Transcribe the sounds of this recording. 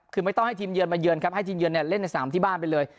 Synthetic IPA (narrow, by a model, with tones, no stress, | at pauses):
p̚kʰɯː˧ma˥˩jt̪ɔ˥˩ŋha˥˩jt̪ʰiː˧mjɯ˧ənmaː˧jɯ˧ənkʰa˦˥p̚ha˥˩jt̪ʰiː˧mjɯ˧ənːi˧˩le˥˩nːa˧jsaː˩˦mt̪ʰiː˥˩baː˥˩npa˧jlɤː˧j